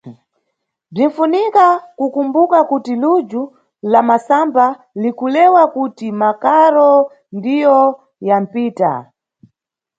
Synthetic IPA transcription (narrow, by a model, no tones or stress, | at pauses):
b͡ʐin̩funikakukumbukakutilud͡ʒu | lamasamba | likulɛwakutimakaɾɔ | ndijɔ | jam̩piːta̰